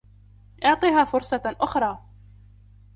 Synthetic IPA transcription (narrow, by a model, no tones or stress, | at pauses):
ʔʊʕt̪ˤiːɦaːfʊɾsˤɑʔʊxɾˤɑː